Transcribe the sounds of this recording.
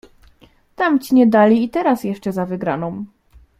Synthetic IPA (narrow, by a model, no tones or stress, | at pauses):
t̪amt͡ɕiɲɛd̪alʲiːt̪ɛɾasjɛʂt͡ʂɛzavɘɡɾanɔ̃m